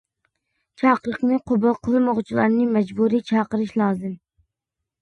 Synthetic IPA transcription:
t͡ʃʰɑːqəɾəqnɨqʰʊbɑlˠqʰəlˠɨmoʁt͡ʃʰilˠɑ̰ɾnɨmɛd͡ʒbuɾijt͡ʃʰɑːqəɾɪʃlˠɑːzɨm

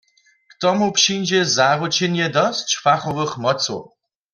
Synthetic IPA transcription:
kt̪ɔmupʂind͡ʑɛzaɾut͡ɕinjɛd̪ɔst͡ʃfaxɔvɨxmɔso̰

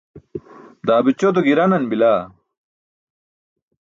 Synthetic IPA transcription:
d̪aːbit͡ɕod̪oɡiɾɐnɐnbilaː

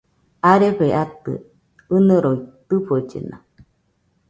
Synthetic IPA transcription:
aɾeɸeʔat̪ɨ̰ | ɨnɨ̃ɾoit̪ɨɸod͡ʒḛna̰

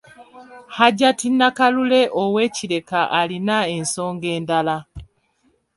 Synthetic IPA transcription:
haɟatinːakalule̞ʔowe̞ːciɾe̞kaʔalinaenso̞ːŋɡe̞ːndala

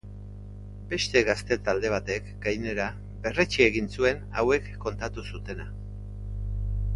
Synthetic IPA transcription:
be̞st̪e̞ɣast̪e̞t̪ald̪e̞β̞at̪e̞kɡajne̞ɾa | be̞ret͡ʃie̞ɣinsue̞na̰we̞kːo̞nt̪at̪usut̪e̞na

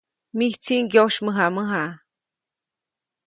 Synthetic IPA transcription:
miht͡siŋɡjoʃməɦaməɦa

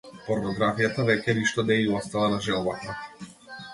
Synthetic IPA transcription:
pɔɾnɔɡɾafijat̪avɛcɛniʃt̪ɔd̪ɛiɔst̪alˠanaʒɛlˠbat̪a

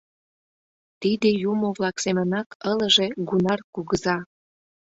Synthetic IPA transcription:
t̪id̪ĕjumoβlɑksemənɑkələʒe̽ɡunɑrkuɣəzɑ

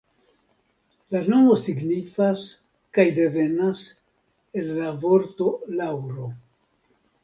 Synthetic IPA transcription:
lano̞mo̞siɡnifas | kajde̞ve̞nas | e̞lːavo̞ɾto̞lawɾo̞

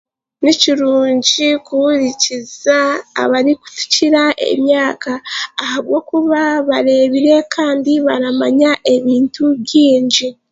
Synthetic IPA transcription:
niciɾuːɲɟikuβuɾiciza̰ːβaɾiku̥tu̥ciɾaʔe̞̰mjaːkaːhaβɡo̞ːkuβaβaɾe̞βiɾe̞kʰaːndiβaɾamaɲaʔe̞βiːntuβɟiːɲɟi

